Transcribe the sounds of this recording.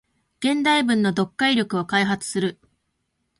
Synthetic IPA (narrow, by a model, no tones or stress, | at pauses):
ɡ̥ẽ̞nd̪aibɯ̟̃nːo̞d̪o̞kːaiɾʲjo̞kɯ̟okaiɦat͡sɨ̥sɨɾɯ̟